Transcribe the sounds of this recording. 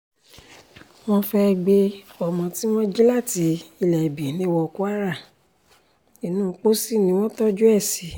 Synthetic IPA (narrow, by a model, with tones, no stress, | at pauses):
w̃ɔ̃˦fɛ˧ɡ͡be˧ɔ˨mɔ̃˨˧ti˦w̃ɔ̃˦d͡ʒi˦la˦˨ti˨˧˦i˧lɛ˨bi˨nĩ˧˦wɔ˧ku˦a˦ɾa˦˨ | i˨nũ˦˨˧k͡po˦si˦˨nĩ˧˦w̃ɔ̃˦tɔ˦d͡ʒu˦ɛ˦˨si˨˦